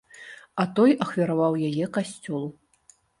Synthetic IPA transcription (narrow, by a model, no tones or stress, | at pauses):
ɐt̪ɔjɐxvʲaɾavawjajɛkasʲt͡sʲɔlˠu